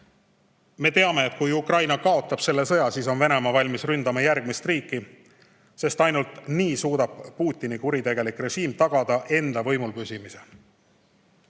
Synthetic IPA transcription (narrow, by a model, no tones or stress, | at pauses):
me̞t̪e̞ɑme̞ːt̪̚kujukrɑjnɑkɑo̞t̪ˑːɑb̥se̞lːe̞sɤ̞jɑsiːso̞nve̞ne̞mɑvɑlʲmisrynd̪̥ɑmɑjærɡ̥̚mist̪riːkːˑi | se̞st̪ɑjnult̪niːsuːd̪̥ɑb̥puːt̪ʲːˑinikuɾit̪e̞ɡ̥e̞likre̞ʒiːmt̪ɑɡ̥ɑd̪̥ɑʔe̞nd̪̥ɑvɤ̞jmulpysimise̞